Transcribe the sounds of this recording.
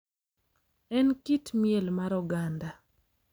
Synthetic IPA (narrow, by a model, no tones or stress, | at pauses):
ɛnkitmjɛlmaɾɔɡanda